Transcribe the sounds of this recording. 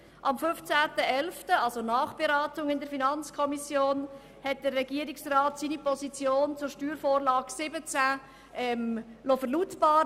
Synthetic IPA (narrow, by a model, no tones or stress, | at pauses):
ʔɑmfʏft͡sæːtəɛlftəɑlzonɑːχb̥eɾɑːtʊŋɪndəɾfinɑnt͡skʰɔmisjoːn | hɛt̚d̥ərːɛɡ̥iəɾiksrɑːtsinipʰɔsit͡sjoːnt͡sʊɾʃtyːɾfoːɾlɑːɡ̥sɪbət͡sæ | ʔɛmlofəɾlutb̥ɑːɾ